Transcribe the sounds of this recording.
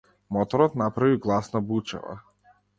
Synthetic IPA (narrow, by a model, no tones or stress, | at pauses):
mɔt̪ɔɾɔt̪napɾaviɡlˠasnabut͡ʃɛ̰va̰